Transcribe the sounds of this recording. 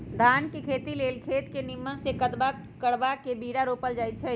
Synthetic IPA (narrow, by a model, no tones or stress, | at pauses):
d̪ʱaːnkekʰeːt̪ileːlkʰeːt̪kenɪmːənsekət̪ba | kəɽbakebiːɾaɾoːpəld͡ʒaːjt͡ʃʰɛ